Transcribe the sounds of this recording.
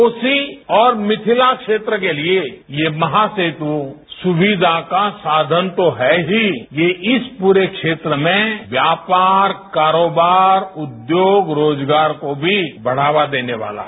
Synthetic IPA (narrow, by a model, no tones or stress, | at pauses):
oːsiɔːɾmɪt̪ʰɪlakʃeːt̪ɾəkeliejemɐɦaseːt̪u | sʊʋid̪ʱakasaːd̪ʱənt̪oɦɛɦijeʔɪspuːɾekʃeːt̪ɾəmẽʋjaːpaːɾkaːɾoːbaːɾʊd̪joːɡɾoːd͡ʒɡaːɾkobʱibɐɽ̤aːʋad̪eːneʋa̰ːla̰ː